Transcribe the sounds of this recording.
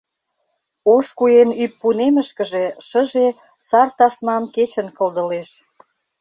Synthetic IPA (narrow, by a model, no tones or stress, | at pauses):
oʃkujenypːunemə̆ʃkə̆ʒe̽ʃə̆ʒe | sɑrt̪ɑsmɑmket͡ɕə̆nkə̆ld̪ə̆leʃ